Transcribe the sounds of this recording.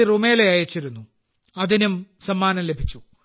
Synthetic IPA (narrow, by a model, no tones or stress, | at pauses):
irumeːleɐjɐt͡ɕːiɾunːu | ɐðinumsɐmːaːnɐmle̞bʱit͡ɕːu